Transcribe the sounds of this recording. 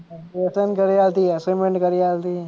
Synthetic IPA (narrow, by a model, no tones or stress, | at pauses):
əsənkəɾialt̪iəsomeɳʈkəɾialt̪i